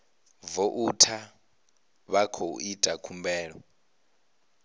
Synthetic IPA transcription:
vɔʔutʰa | βakʰo̰itʼakʰumbɛːɺɔ

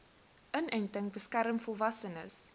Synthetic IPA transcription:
ʔənœntəŋbəskæɾəmfɔlˠvɐsənə̰s

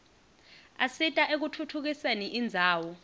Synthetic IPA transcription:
asitʼaʔek̬utʰutʰuk̬iseniʔind͡zʱaːwɔ

